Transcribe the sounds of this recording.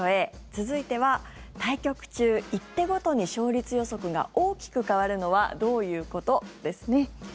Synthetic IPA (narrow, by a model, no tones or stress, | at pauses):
oe̞ | t͡sɨzɨit̪e̞β̞a | t̪aikʲo̞kɯ̟̥t͡ɕɨːit̪ːe̞ɡo̞t̪o̞ɲ̟iɕo̞ːɾʲit͡sɨjo̞so̞kɯ̟ɡa̰o̞ːkʲi̥kɯ̟kaβ̞aɾɯ̟no̞βa̰d̪o̞ːjɯ̟ːko̞t̪o̞d̪̥e̞sɨne̞